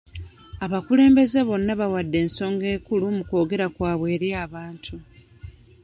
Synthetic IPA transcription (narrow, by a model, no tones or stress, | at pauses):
aβakule̞ːmbe̞ze̞βo̞nːaβawadːe̞ːnso̞ːŋɡe̞ːkulumuko̞ːɡe̞ɾakwaːβwe̞ːɾjaːβaːntʰu